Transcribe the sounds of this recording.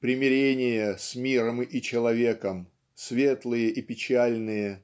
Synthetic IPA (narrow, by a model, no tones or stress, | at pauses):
pɾʲɪmʲɪɾʲenʲɪjəsʲmʲiɾəmit͡ɕɪlˠɐvʲe̞kəm | sʲvʲe̞t̪lˠɨjəʔipʲɪt͡ɕælʲnɨjə